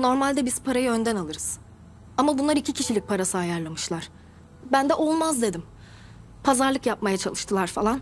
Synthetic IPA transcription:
no̞ɾmalʲd̪ɛbizpʰaɾajɯø̞nd̪ɛnalˠɯɾɯz̥ | amabunlˠaɾicʰicʰiʃilʲic̚pʰaɾasɯajaɾlˠamɯʃlˠaɾ̥ | bænd̪ɛʔolˠmazd̪e̞d̪im | pʰazaɾlˠɯkjap̚majat͡ʃʰa̰lˠɯʃt̪ʰɯlˠaɾfa̰lˠan

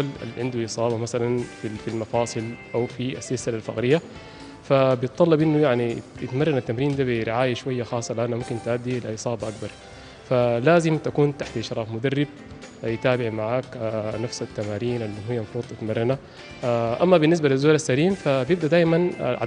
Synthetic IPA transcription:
ala̰lʕɪnd̪uʔɨsˤɑːβɑmasalanfifilmɑfɑːsˤɨlʔawfia̰sːɪlsɪlalfa̰ɣɾɪjːa | fabjɪt̪ˤːɑlːɑbʔɪnːujaʕnijɪt̪mɑrˤːɑnat̪ːamɾiːnd̪aːbɪɾɪʕaːjaʃwajːaxɑːsˤːɑlʔanamumkint̪ʕad̪ːilaʔɨsˤɑːbɑʔakbɑɾˤ | falaːzɪmt̪akuːnt̪aħt̪ʔɪʃɾˤɑːfmʊd̪arːɪb̚ | jt̪aːbɪʕmaʕaːknafsat̪ːamaːɾiːnʔalːinhijːamfuːt̪ˤʔat̪mɑrˤːɑna | ʔamːabɪnːɪs̬balizːuːlasːaliːmfabjɪb̚d̪ad̪aːʔmanʕa̰

